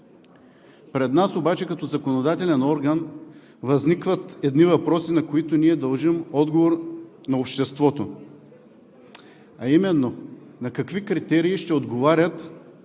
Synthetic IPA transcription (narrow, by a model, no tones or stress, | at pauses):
pɾɛd̪nasobat͡ʃɛkɐt̪ɔzɐkonod̪at̪ɛlɛnɔɾɡɐn | vɐznikvət̪ɛd̪nivɐpɾɔsinɐkoit̪oniɛd̪ɐlˠʒimɔd̪ɡovoɾ | nɐopʃt̪ɛst̪vɔt̪o | ɐimɛnːo | nɐkɐkvikɾit̪ɛɾiːʃt̪ɛod̪ɡovaɾʲət̪